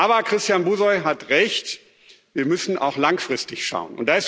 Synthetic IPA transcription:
ʔaːbɐkʁ̥ɪstjaːnbuːzɔʏɦatʁɛçt | viːɐmʏsn̩ʔa̰ʊxlaŋfʁ̥ɪstɪçʃa̰ʊənʊ̰ntd̥aːɪs

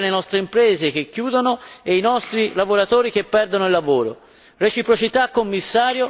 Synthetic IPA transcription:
lenɔst̪ɾeimpɾɛːzek̟ekːjuːd̪onoeinɔst̪ɾilavoɾat̪oːɾik̟epːɛrd̪onoilːavoːɾo | ret͡ʃipɾot͡ʃit̪akːomːisːaːɾjo

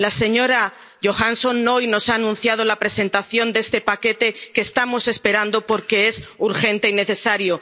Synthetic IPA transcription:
lase̞ɲo̞ɾa | ʝo̞xanso̞nːo̞jno̞saːnũn̟θjað̞o̞lapɾe̞se̞nt̪aθjo̞nd̪e̞st̪e̞pake̞t̪e̞keːst̪amo̞se̞spe̞ɾand̪o̞po̞ɾke̞e̞suɾxe̞nt̪e̞ine̞θe̞saɾjo̞

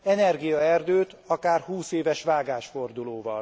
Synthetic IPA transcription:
ɛnɛrɡijɒɛrd̪øːt̪ɒkaːrhuːseːvɛʃʋaːɡaːʃfo̞rd̪uloːvɒ̰l

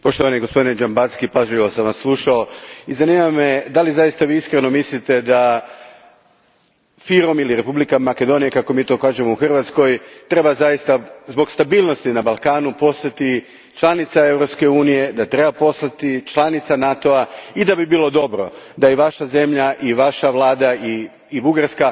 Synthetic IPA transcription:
po̞ʃt̪oʋanijeɡospo̞d̪ined͡ʒambat̪skipazʎiʋo̞samʋasːlˠuʃaoizanimamed̪alizajist̪aʋiːiskɾeno̞mislit̪e̞d̪a | fiɾo̞miliɾe̞publikamake̞d̪o̞nijekako̞miːt̪o̞ːkaːʒe̞mouxrʋat̪sko̞jt̪ɾe̞bazajist̪azbo̞ɡst̪abiːlˠno̞st̪inabalˠkaːnupo̞st̪at̪i | t͡ʃlˠanit̪sae̞vɾo̞pske̞uːnije̞d̪at̪ɾe̞bapo̞slat̪it͡ʃlˠanit̪sanat̪o̞aid̪abibiːlˠo̞d̪o̞bɾo̞̰d̪aiʋaʃaze̞mʎaʔiʋaʃaʋlˠaːd̪aiː | buɡaɾska

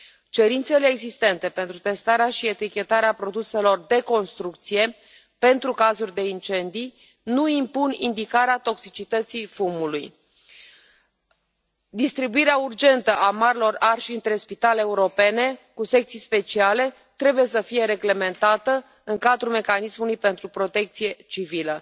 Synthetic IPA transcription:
t͡ʃe̞ɾint̪se̞le̞ːɡzist̪e̞nt̪e̞pe̞nt̪ɾut̪e̞st̪aɾeaʃie̞t̪ikʲe̞t̪aɾeapɾo̞d̪use̞lo̞rd̪e̞ko̞nst̪ɾuk̚t̪sije̞ | pe̞nt̪ɾukazurʲd̪e̞int͡ʃe̞nd̪ij | nuimpunind̪ikaɾeat̪o̞ksit͡ʃit̪ət̪sifumuluj | d̪ist̪ɾibuiɾeaurd͡ʒe̞nt̪əʔamaɾilo̞rarʃiɨnt̪ɾe̞spit̪aleeuɾo̞pe̞ne̞kuse̞k̚t̪sijspe̞t͡ʃiale̞ | t̪ɾe̞buje̞səfije̞ɾe̞ɡle̞me̞nt̪at̪ə | ɨŋkad̪ɾume̞kanismulujpe̞nt̪ɾupɾo̞t̪e̞k̚t̪sije̞t͡ʃivilə

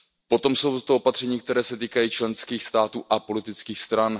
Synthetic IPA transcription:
po̞t̪o̞mso̞wt̪ot̪oopat̪r̝̥ɛɲiːk̚t̪ɛɾɛːsɛt̪iːkajiːt͡ʃlɛnskiːxst̪aːt̪uːʔapo̞lɪt̪ɪt͡skiːxst̪ɾan

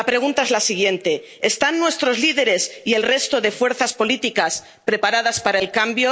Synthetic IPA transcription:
apɾe̞ɣ̞unt̪ae̞zlasiɣje̞nt̪e̞ | est̪anːwe̞st̪ɾo̞zliðe̞ɾe̞sie̞lre̞st̪o̞ðe̞fwe̞ɾθaspo̞lit̪ikas | pɾe̞paɾað̞aspaɾaelkambjo

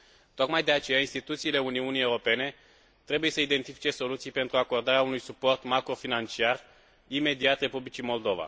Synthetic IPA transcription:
t̪o̞kmajd̪e̞at͡ʃe̞jainst̪it̪ut̪siːle̞uniunije̞wuɾope̞ne̞ | t̪ɾe̞buje̞səid̪e̞nt̪ifi̥t͡ʃe̞so̞lut̪sijpe̞nt̪ɾuako̞rd̪aɾeaunujsupo̞rt̪makɾo̞finant͡ʃiar | ime̞d̪iat̪re̞publit͡ʃimo̞ld̪o̞va̰

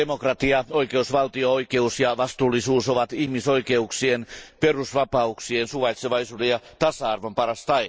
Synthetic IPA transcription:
emokrɑt̪iɑo̞ike̞usʋɑlt̪iooikeusjɑʋɑst̪uːlːisuːsoʋɑt̪ihmiso̞ike̞uksienpe̞rusʋɑpɑuksiensuʋɑjt̪seʋɑisuːdejɑt̪ɑsɑɑrʋompɑɾɑst̪ɑj

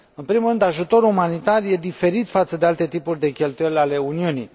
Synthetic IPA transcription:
ɨnpɾimulɾɨnd̪aʒut̪o̞ɾumanit̪arje̞d̪ife̞ɾit̪fat̪səd̪e̞alt̪e̞t̪ipurʲd̪e̞kʲe̞lt̪uje̞lʲale̞uniunij

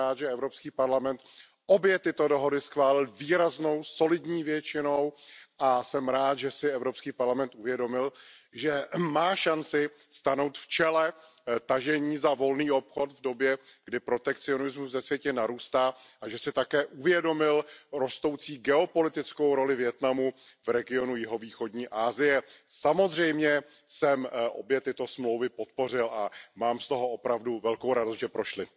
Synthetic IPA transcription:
aːt̪ʒɛɛvɾopskiːpaɾlamɛnt̪ | ʔo̞bjɛt̪ɪt̪o̞do̞ɦo̞dɪsxvaːlɪlviːɾazno̞wso̞lɪdɲiːvjɛt͡ʃɪnowʔasɛmɾaːt̪ʒɛsɪɛvɾo̞pskiːpaɾlamɛnt̪̚uvjɛdo̞mɪlʒɛmaːʃant͡sɪ | st̪ano̞wt̪ft͡ʃɛlɛ | t̪aʒɛɲiːzavo̞lniːo̞pxo̞t̪vdo̞bjɛɡ̥dɪpɾo̞t̪ɛkt͡sɪo̞nɪzmusvɛsvjɛcɛnaɾuːst̪aːʔaʒɛsɪt̪akɛːʔuvjɛdo̞mɪlɾo̞st̪o̞wt͡siːɡɛo̞po̞lɪt̪ɪt͡sko̞wɾo̞lɪvjɛt̪namu | vɾɛɡɪo̞nujɪɦo̞viːxo̞dɲiːʔaːzɪjɛsamo̞zr̝ɛjmɲɛ | sɛmʔo̰bjɛt̪ɪt̪o̞smlowvɪpo̞t̪po̞r̝ɪlʔamaːmst̪o̞ɦo̞ʔopɾavduvɛlko̞wɾadost̪ʒ̥ɛpɾo̞ʃlɪ

